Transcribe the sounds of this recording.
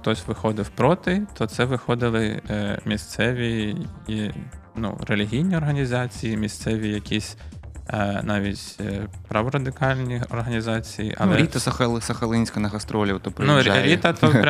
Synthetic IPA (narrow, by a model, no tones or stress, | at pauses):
xt̪ɔsʲʋɪxɔd̪ɪwpɾɔt̪ɪt̪ʰɔt̪sɛʋɪxɔd̪ɪlˠɪmʲist̪sɛʋʲi | nṵɾelʲiɦʲijnʲiɔrɦɐnʲizɑt͡sʲijimʲist̪sɛʋʲijɐkʲisʲ | nɑʋʲitʲpɾɐʋɔɾɐd̪ɪkɑlʲnʲiɔrɦɐnʲizɑt͡sʲijḭʔɐ̰lˠɛɾʲit̪ɐsɐxɐlˠsɐxɐlˠɪnʲsʲkɐnɐɣɐst̪ɾɔlʲit̪ɔpɾnuɾʲit̪ɐt̪ɔ